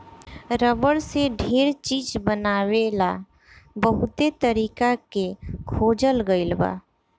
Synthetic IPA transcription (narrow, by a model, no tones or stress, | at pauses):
ɾəbəɽseɖʱeɾt͡ʃiːd͡ʒbənaːwela | bəɦut̪et̪əɾiːkakekʰoːd͡ʒəlɡəɪlba̰